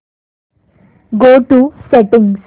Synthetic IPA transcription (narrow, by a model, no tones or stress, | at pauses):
ɡoːʈusɛʈɪ̃ŋs